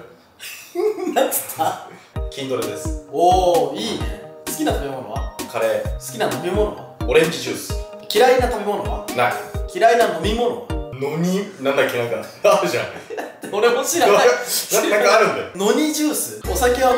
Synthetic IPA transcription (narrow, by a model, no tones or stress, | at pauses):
nḁt̪ʰa | kʲĩnt̪o̞ɾed̪esɨ̥oːiːne̞̰sɨ̥kʲinat̪abemo̞no̞̰βa̰kʰaɾesɨ̥kʲinano̞mʲimo̞no̞aoɾẽ̞ɲ̟d͡ʑid͡ʑɨːsɨ̥ | kʲiɾainat̪abemo̞no̞βa̰naikʲiɾainano̞mʲimo̞no̞̰anoɲinãnd̪akʲːinakaaɾɯʑãt̪oɾemoɕiɾaasaakɯaɾɯ̟̃nd̪eno̞ɲ̟id͡ʑɨːsɨo̞sake̞βa